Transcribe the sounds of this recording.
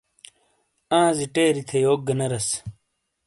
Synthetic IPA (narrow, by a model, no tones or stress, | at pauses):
ãːziʈeːɾit̪ʰejoːk̚ɡɐnɐɾɐs